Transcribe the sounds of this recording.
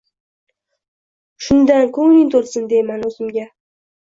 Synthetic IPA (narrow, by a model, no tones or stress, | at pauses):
ʃʊnd̪ankʰɵŋnɪŋt̪ʰoɾsɪnd̪e̞jmanɵzɪmɡʲa